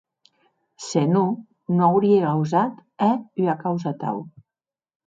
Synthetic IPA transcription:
senu | noawɾieɣawzat̪ɛyakawzat̪a̰w

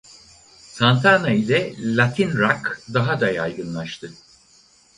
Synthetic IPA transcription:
sant̪ʰanailʲɛlʲat̪ʰinɾakd̪aɦad̪ajajɡɯnlˠaʃt̪ʰɯ

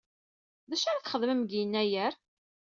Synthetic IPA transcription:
ðæʃaɾæθχəðˤməmɡijənːæjæɾ

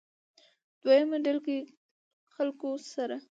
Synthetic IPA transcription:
d̪̥wajamaɖalke | xalkosaɾa

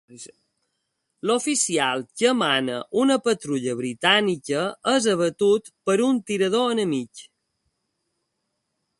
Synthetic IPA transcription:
lofisialˠcəːmanə̰ʔunəpət̪ɾuʎəβɾit̪anikəəzəβət̪ut̪pəɾunt̪iɾəð̞oənəmik

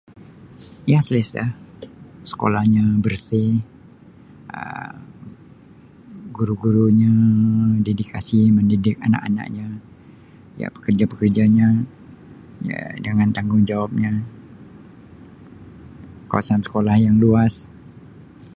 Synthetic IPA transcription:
jasəlesahsə̥ko̰lahɲabərsɪ | ʔə̰m | ɡuɾuɡuɾuɲadedikasiməndidɪk̚ana̰ʔa̰na̰ʔ̚ɲa | ja̰ʔpə̥kərd͡ʒapəkərd͡ʒaɲa | a̰dəŋant̪aŋɡʊŋd͡ʒawap̚ɲa | ka̰wa̰sansə̥kolahjaŋluas

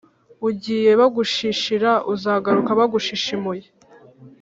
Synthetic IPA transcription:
uɟiːje̞βaɡuʃiʃiɾaʔuzaːɡaɾukaβaɡuʃiʃimuje

